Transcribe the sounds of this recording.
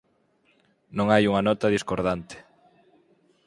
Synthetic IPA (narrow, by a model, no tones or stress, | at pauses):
nõŋajuŋanɔt̪ɐðiskoɾðant̪ɪ̥